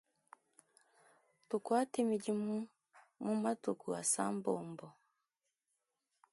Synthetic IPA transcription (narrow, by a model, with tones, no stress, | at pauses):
tu˨kwa˦te˦mi˨ɟi˦mu˦ | mu˦ma˦tu˨ku˨a˨sa̰˦mboː˨mbɔ˨